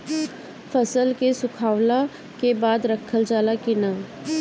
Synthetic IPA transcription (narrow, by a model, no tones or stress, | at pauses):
fʰəsəlkesʊkʰaːʋla | kebaːd̪ɾəkʰəld͡ʒaːlakɪnaː